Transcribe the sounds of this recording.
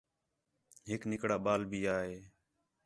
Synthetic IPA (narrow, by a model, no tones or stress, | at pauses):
ɦɪknɪkɽaːɓaːlbʱiːaːɦeː